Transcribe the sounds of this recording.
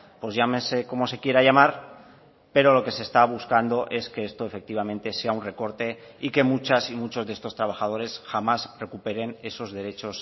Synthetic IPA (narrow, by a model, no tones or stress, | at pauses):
pwo̞zʝamense̞ko̞mo̞se̞kje̞ɾaʝamaɾ | pe̞ɾo̞lo̞ke̞sest̪aβ̞uskand̪o̞ʔe̞ske̞est̪o̞e̞fe̞k̚t̪iβamẽ̞nt̪e̞se̞aunre̞ko̞ɾt̪e̞ | ike̞mut͡ʃasimut͡ʃozðeest̪o̞st̪ɾaβ̞axað̞o̞ɾe̞sxamasre̞kupe̞ɾe̞ne̞so̞zðe̞ɾe̞t͡ʃo̞s